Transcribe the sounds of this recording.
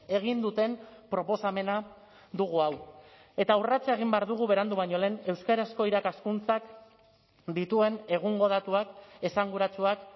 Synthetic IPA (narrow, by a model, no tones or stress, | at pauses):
e̞ɣ̞ind̪ut̪e̞mpɾo̞po̞same̞na | ðuɣ̞uaw | e̞t̪aurat͡seeɣ̞imbe̞aɾðuɣ̞uβe̞ɾand̪uβaɲo̞le̞ːne̞wskaɾasko̞iɾakaskunt͡sak | d̪it̪ue̞ne̞ɣ̞uŋɡo̞ð̞at̪uake̞saŋɡuɾat͡suak